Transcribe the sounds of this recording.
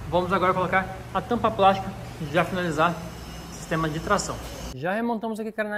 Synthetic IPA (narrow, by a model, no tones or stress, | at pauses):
vɐ̃mʊzaɡɔɾɐkolokaɾ | ɐt̪ɐ̃mpɐplast͡ʃi̥kɐ | ʒafinalizaɾ | si̥st̪ẽmɐd͡ʒɪat̪ɾasɐ̃w̃ | ʒahemõnt̪ɐ̃mʊzakikaɾna